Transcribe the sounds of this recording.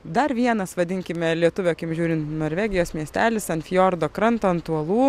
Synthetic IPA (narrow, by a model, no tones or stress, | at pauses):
d̪ɐɾʋʲiɛnɐsʋɐd̪ʲɪŋʲkʲɪmʲɛlʲiɛt̪ʊʋʲokʲɪmʒʲuːɾʲɪnt̪noːɾʲʋʲæːɡʲɪjoːsmʲiɛsʲt̪ʲæːlʲɪsɐnfʲɪjoːɾd̪oːkɾɐnt̪oːɐnt̪uɐlˠuː